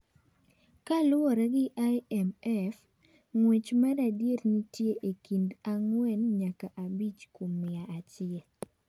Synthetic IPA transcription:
kalʊɔɾɛɡɪʔajɛmɛf | ŋwet͡ʃmaɾadjetnitjeʔekindaŋwɛnɲakaʔabit͡ʃkomːɪaat͡ʃɪɛl

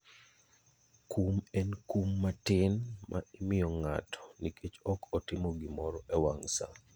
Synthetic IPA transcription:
kumɛnkumːatɪnmʔa̰ɪmɪjɔŋa̰tɔ̥nikʰet͡ʃɔkʰɔtɪmoɡɪmɔɾɔʔɛwaŋsa̰

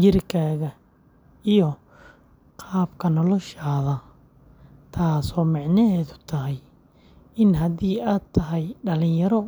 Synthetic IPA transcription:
t͡ʃɪrkʰaːɣɐ | ijɔ | qʰɑːbkʰɐnɔlɔʃaːðɐ | t̪ʰaːsɔːmɑʕnɐɦɛːðʊt̪ʰɐɦɛj | ɪnɦɐðiːaːd̪̚t̪ʰɐɦɛjɖɐlɪ̃ɲjɐɾɔ

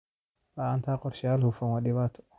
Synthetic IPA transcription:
laant̪ʰaːqɔrʃjaːlhufɐnwaɗɪβaːt̪ʰɔ̥

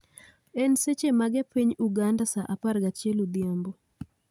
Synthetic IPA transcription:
ɛnset͡ʃemaɡɛpiɲuɡandasaʔaparɡat͡ʃjelod̪jambo

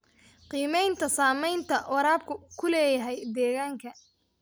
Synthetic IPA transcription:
qiːmɛjnt̪ʰɐsaːmɛjnt̪ʰɐwɑɾaːb̚kʰʊkʰʊlɛːjɐɦɛjd̪ɛːɣaːŋkʰɐ

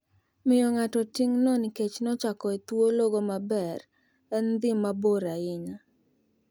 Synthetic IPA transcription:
mɪjɔŋatɔtiŋnɔniket͡ʃnɔt͡ʃakɔet̪woloɡomabɛr | ɛnd̪ɪmːaboɾaɪɲa

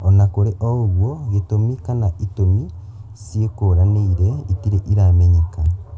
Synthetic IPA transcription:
ɔnakoɾeʔooɣwɔɣetomikanaʔitomi | sjekoɾaneiɾeitiɾeʔiɾamɛɲeka

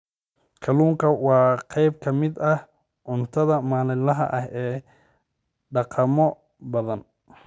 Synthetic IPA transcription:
kʰɐluːŋkʰɐwɑːqɑjbkʰɐmɪd̪ɐh | ʔʊnt̪ʰɐðɐmaːlɪlɐɦɐ̰ʔɐhɛː | ɖɑqɑmɔ | bɐðɐn

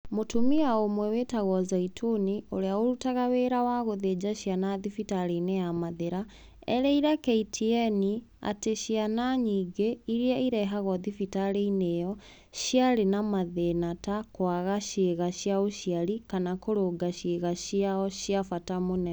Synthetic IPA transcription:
motumiaomwɛwetaɣɔzaitʰonioɾeaoɾutaɣaweːɾawaɣoðed͡ʑaʃianaðifitaɾenejamaðeɾa | ɛ̰ɾɛiɾakeitʰiɛni | a̰teʃianaɲiɡeiɾiaiɾɛɦaɣɔðifitaɾeinejɔ | ɕjaɾenamaðenatakwaɣaʃeɣaɕjaoʃjaɾikanakoɾoɡaʃeɣaɕiaɔɕjafatamonɛ

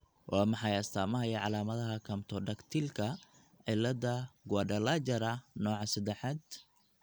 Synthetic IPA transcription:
wʔɑːmɑħɑjɐst̪ʰaːmɐɦɐjɐʕɑlaːmɐðɐɦɐkʰɐmt̪ʰɔɖɐkt̪ʰilkʰɐ | ʕɪlːɐdɐɡaːɖɐlad͡ʒɐɾɐnɔːʕɑsɐd̪ɛħɑd̪

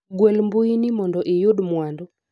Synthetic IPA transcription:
ɡwɛlmbʊinimɔndɔʔɪjodmwandɔ

